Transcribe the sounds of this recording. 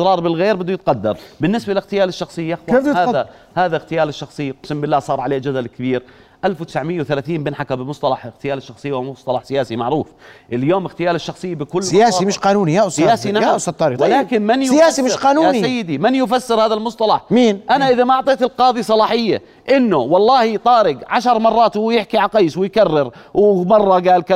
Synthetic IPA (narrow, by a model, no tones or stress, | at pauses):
ɾˤɑːɾˤbɪlɣeːɾbɪd̪ːuʊjɪt̪̚qɑd̪ːɑ̰ɾˤbɪnːɪsbaʔɪlɪxt̪ɪjaːlɪʃːɑxsˤɨjːaxhaːða | haːðaɣt̪ɪjaːlɪʃːɑxsˤɨjːaqsɪmbɪlːaːsˤɑːɾˤʕaleːd͡ʒad̪alkɪbiːɾ | ʔalfwt̪ɪ̥sʕmɪjːawθalaːθiːmbɪnħakabɪlmʊsˤt̪ˤɑlɑħɪɣt̪ɪjaːlɪʃːɑxsˤɨjːwamʊsˤt̪ˤɑlɑħsɪjaːsimaʕɾuːfʔɪljoːmɪxt̪ɪjaːlɪʃːɑxsˤɨjːabɪkʊlːɪjaːsimɪʃqɑːnuːnijaʔʊsɪjaːsinaaʔʊsɑt̪ːˤɑːɾwɪlːkɪnmɪnjjaːsimɪʃqɑːnujaisajːɪd̪imɪnjʊfasːɪɾhaːðalmʊsˤt̪ˤɑlɑħmiːnʔanaʔɪðamaʔʊʕt̪ˤeːt̪ɪlqɑːðˤisˤɑlɑːħɪjːa̰ | ʔɪnːʊwɑlˤːɑːhijt̪ˤɑːɾɪɡʕaʃɑɾˤmɑrˤːɑːt̪wjɪħkiʕalqɑjːswɪjkarːɪɾwɪmɑrˤːɑɡaːlka